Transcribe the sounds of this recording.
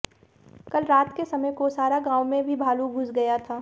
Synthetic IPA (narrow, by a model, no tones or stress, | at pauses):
kɐlɾaːt̪kesɐməjkosaːɾaɡãːwmẽbʱibʱaːluɡʱʊsɡɐjat̪ʰaː